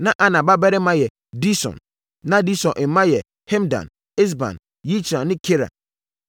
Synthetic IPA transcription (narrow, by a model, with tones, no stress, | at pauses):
nã˦ʔa˨nã˨ba˦bɛ˦ɾɪ˦mã˦jɛ˨ | di˦sɔ̰̃˨n | nã˦di˦sɔ̃˨nʔɪ˨mã˦jɛ˨ | hɛ̃˦mdã̰˨n | ɪ˦s̬bã̰˨n | ji˦t͡ʃi˨ɾã˨nɪ̃˦kʰe˦ɾa̰˨